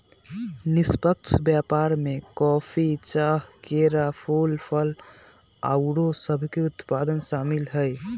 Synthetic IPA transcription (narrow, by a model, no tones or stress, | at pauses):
nispək̚t͡ʃʰbjapaɾmekɔːpʰit͡ʃaːɦkeɾapʰolpʰəl | a̰ʊɽosəbʱkeʊt̪pad̪ənsaːmilɦəj